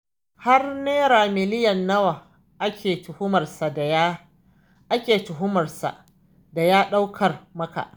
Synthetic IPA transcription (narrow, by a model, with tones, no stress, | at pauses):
ha˦rneː˦ɾaː˨mɪ˨lɪ˦jɐ˨nːɐ˦wa˨ | ʔkʲʰeː˨tʊ˨hʊ˦mɐ˨rsa˨d | ʔa˦kʲeː˨tʊ˨ɦʊ˦mɐ˨rsa̰˨ʔ | da˨jaː˦ɗa˦wkʰɐ˨rmɐ˦ka̰˨ʔ